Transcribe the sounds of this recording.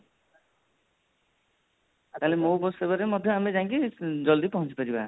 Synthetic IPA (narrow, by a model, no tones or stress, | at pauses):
at̪alemobɔsebaɾemʌd̪ʱjʌamed͡ʒãŋkid͡ʒʌld̪ipɔɦɔ̃nt͡sʰi̥pʌɾiba̰